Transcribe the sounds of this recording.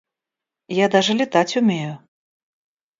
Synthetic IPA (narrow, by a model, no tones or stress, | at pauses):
jad̪aʐɨlʲit̪at͡sʲumʲejʊ